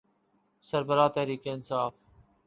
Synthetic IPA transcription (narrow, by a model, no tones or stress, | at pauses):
sɐɾbɐɾaːt̪ɐhɾiːkeɪnsaːf